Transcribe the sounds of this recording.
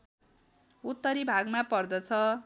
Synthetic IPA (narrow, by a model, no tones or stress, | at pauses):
ut̪ːʌɾibʱaɡmapʌrd̪ʌt͡sʰʌ